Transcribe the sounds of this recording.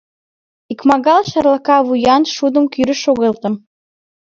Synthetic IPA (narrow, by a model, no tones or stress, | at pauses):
ikmɑɣɑlʃɑɾlˠɑkɑβujɑnʃud̪ə̆mkyɾə̆ʃoɣelt̪ə̆m